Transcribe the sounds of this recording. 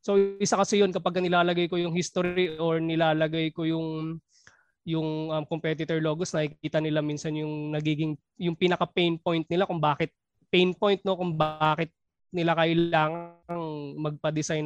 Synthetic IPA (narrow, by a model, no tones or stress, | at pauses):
so̞ʔɪsakɐsɛjonkɐpɐɡ̚kːɐnɪlaːlɐɡajko̞jʊŋhist̪oɾiʔoɹnɪlaːlɐɡajkojʊŋ | jʊŋʔɐmkompɛt̪ɪt̪ɛɹloːɡosnɐkikiːt̪ɐnɪlamiːnsɐnjʊŋnɐɡiːɡɪŋ | jʊŋpinɐkɐpɛjnpo̞jnt̪̚nɪlakʊŋbaːkɪt̪̚ | pɛjnpo̞jnt̪̚no̞kʊŋbaːkɪt̪̚ | nɪlakɐʔɪlaːŋɐŋmɐɡ̚pɐd̪ɪsajn